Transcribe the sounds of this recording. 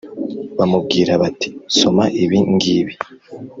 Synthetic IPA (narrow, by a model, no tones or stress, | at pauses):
βamub̚ɡiːɾaβati̥so̞maʔiβiŋɡiβi